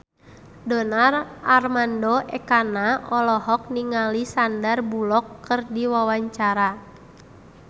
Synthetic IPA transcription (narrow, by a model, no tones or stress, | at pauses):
dɔnararmandɔʔɛkanaɔlɔɦɔk̚niŋalisandarbulɔkːɨrdiwawaɲt͡ʃaɾa